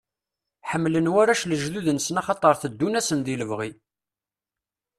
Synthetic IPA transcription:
ħəmːlənwæɾæʃləʒðuðənsnɑχɑt̪ˤəɾˤθəd̪ːunæsənðiləvʁi

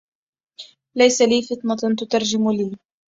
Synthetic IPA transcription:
lajsaliːfɨt̪ˤnɑt̪ʊt̪ɑɾˤd͡ʒɪmliː

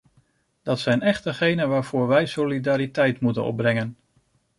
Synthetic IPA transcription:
d̥ɑtsɛjnɛχtəχejnənʋaːɹv̥ʊːɹʋɛjsolidaːɾitɛjtmutə̰nɔ̰b̚brɛŋən

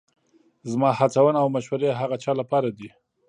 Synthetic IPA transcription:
zmɑhat͡sawənaawmaʃwaɾeɦaɣat͡ʃɑlapɑɾad̪i

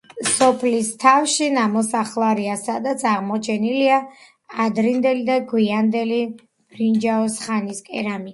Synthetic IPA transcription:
sɔpʰlist̪ʰafʃinamɔsaχlˠaɾiasad̪at̪sʰaʁmɔt͡ʃʰɛnilia | ad̪ɾind̪ɛlid̪aɡwiand̪ɛli | pʰɾind͡ʒaɔsχaniskʼɛ̰ɾami

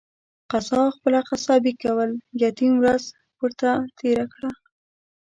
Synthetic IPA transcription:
qasɑxpəlaqasɑbikːawəljɑt̪imwɾaz | wəɾt̪at̪ʰeɾakɽa

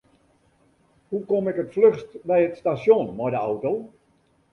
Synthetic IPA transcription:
hukomɛkətfløxstbɛjətstasjonmɔjdəawtow

